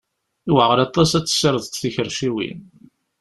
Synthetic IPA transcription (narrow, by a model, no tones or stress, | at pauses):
iwəʁəɾɑt̪ˤːɑsæt͡sːsəɾəðˤt̪θiçəɾʃiwḭn